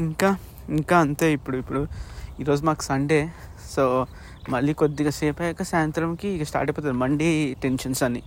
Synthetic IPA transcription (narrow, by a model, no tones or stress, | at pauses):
iŋkaː | iŋkaːɐnt̪eːipːuɽuipːuɽuiːɾoːd͡ʒumaːku̥sɐɳɖeː | soː | mɐlːikod̪ːiɡɐseːpɐjɐkɐsaːjɐnt̪ɾɐmkiːɡɐsʈa̰ːɾʈɐjpoːt̪ad̪mɐɳɖiʈenʃɐnsɐni